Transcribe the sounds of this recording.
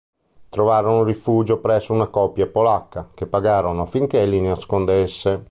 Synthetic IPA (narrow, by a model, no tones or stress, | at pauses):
t̪ɾovaːɾonorifuːd͡ʒopɾɛsːounakɔpjapolakːakepːaɡaːɾonofiŋk̟elineaskond̪esːe